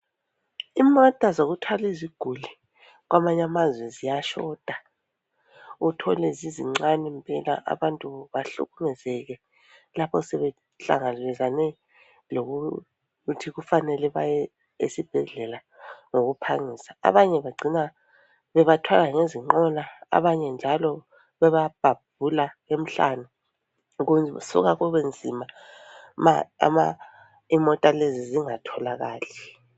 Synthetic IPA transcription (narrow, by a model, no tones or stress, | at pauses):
imɔtʼazoɣutʰwaliziɡ̥ʱuli | ɣwamaɲamazwɛzijaʃɔd̥ʱa | utʰɔlɛziziŋ͡ǀanɛmpʼɛla̰ʔa̰βantʼuβaɬṵɣumɛzɛɣɛ | lapʰɔsɛβɛ | ɬa̰ŋalɛzanɛ | loɣu | tʰiɣufanɛlɛβajɛ | ḛsib̥ʱɛɮɛla | ŋoɣupʰaŋisḁa̰βaɲɛβaɡ͡ǀʱina | βɛβatʰwalaŋeziŋ͡ǃɔlaa̰βaɲɛnd͡ʒʱalɔ | βɛβab̥ʱab̥̚ʱulaem̩ɬa̰nu | ɣunsṵɣaɣuβend͡zʱima | ma̰ma | imɔtʼaleziziŋatʰɔlaɣaːɬɛ